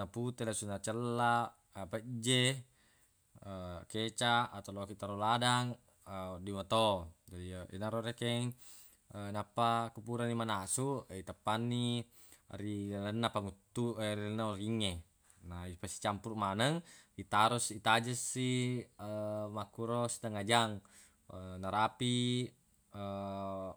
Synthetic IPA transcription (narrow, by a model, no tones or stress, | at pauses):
naput̪elasunat͡ʃəlːa | apəd͡ʒe | əket͡ʃaʔat̪alokiʔt̪aɾoladaŋ | ədimat̪od͡ʒadiḭnaɾoɾekeŋ | napːakupuɾanːimanasuit̪apːanːi | ɾilənːapaŋut̪ːueɾilnːaoriŋːe | naipasi̥t͡ʃampurmanəŋit̪aɾusit̪ad͡ʒəsːiəmakuɾosi̥t̪aŋad͡ʒaŋ | naɾapi | ə